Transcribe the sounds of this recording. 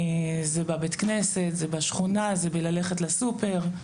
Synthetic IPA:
zebabet̪kneset̪zebaʃχunazebelaleχetlasupeʁ

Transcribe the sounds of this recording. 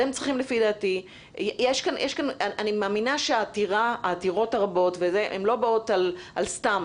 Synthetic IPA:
emt͡sʁiχimlefid̪aːti | jjeʃkanjʔeʃkanaʔanimaːminaʃeaːtiʁaaːtiʁo̞taʁabo̞tvezeʔemlo̞baotalʔalstam

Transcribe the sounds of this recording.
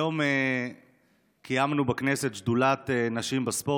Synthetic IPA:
jo̞me | kʰijamnubekne̞set̪ʃd̪ulat̪enaʃimbaspo̞

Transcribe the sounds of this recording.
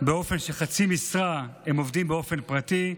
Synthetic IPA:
beo̞fe̞nʃeχat͡simisʁahemo̞vdimbeo̞fe̞npʁat̪i

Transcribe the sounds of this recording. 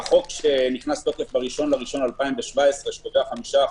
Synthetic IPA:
χo̞kʃeniχnast̪o̞ke̞fbaʁiʃo̞nlaʁiʃo̞nalpaimveʃvaesʁeʃmoveaχamiʃa

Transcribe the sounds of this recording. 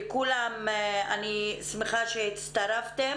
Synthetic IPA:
kulamanismeχaʃehit̪t͡st̪aɾaft̪e

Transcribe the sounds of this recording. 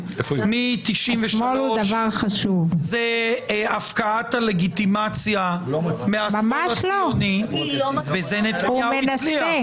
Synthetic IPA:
mit̪iʃimveʃmolud̪ɐvaʁχaʃuvzeafkaat̪aleɡit̪imat͡sjameamamaʃaloni | vezenet̪ameinaliae

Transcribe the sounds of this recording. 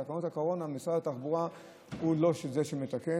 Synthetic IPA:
akanothakoʁo̞namisʁadat̪aχbuʁa | hulo̞ʃezeʃemet̪ake

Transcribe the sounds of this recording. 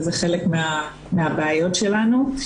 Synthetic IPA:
zeχe̞lekmea | meabeajo̞tʃe̞lanu

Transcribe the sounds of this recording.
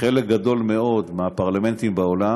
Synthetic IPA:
elek̚ɡad̪o̞lmeo̞d̪meapaʁlame̞nt̪imbaola

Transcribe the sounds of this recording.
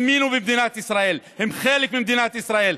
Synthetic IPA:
mːiːnubɪmd̪iːnaːt̪ʔɪsɾaːʔiːlhɪmxaːlɪkmɪmd̪iːnaːt̪ʔɪsɾaːʔiːl

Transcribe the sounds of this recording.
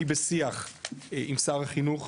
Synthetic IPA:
ibesiaχimsaʁhaχinuχ

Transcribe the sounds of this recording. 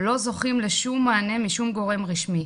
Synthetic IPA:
lo̞zo̞χimleʃumːaːne̞miʃumɡo̞ʁe̞mʁiʃmi

